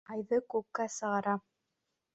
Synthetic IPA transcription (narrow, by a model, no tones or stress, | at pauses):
ɑjðɤkʉp̚kæsɤ̆ʁɑɾɑ